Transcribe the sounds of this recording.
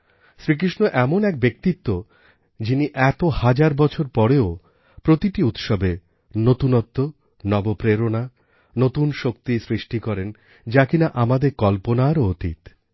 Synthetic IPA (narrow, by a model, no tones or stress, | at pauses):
sɾik̬ɾiʃnoʔɛmonɛk̚bek̚t̪it̪ːo | d͡ʑiniʔɛt̪ohad͡ʑaɾbɔt͡ɕʰoɾpɔɾeo | pɾot̪iʈiut̪ʃɔbe | not̪unɔt̪ːo | nɔbopɾeɾona | not̪unʃok̚t̪isɾiʃʈikɔɾen | d͡ʑakinaʔamad̪eɾkɔlponaɾoot̪ḭt̪